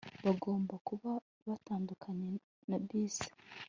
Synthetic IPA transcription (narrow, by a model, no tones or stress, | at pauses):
βaɡo̞ːmbakuβa | βataːndukʰaɲe | nabiːzḁ